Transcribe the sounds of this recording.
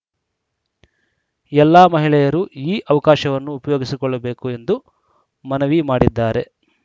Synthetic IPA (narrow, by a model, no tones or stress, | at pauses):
ɛlːaːmɐɦiɭɛjɐɾuiːʔɐʋɐkaːʃɐʋɐnːuːpɐjoːɡisikɔɭːɐbeːkue̞nd̪u | mɐnɐʋimaːɽid̪ːaːɾe̞